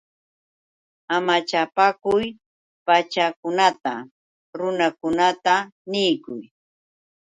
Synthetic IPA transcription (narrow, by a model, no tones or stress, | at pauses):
amat͡ʃapakʊj | pat͡ʃakʊnat̪a | ɾʊnakʊnat̪anɪjkʊj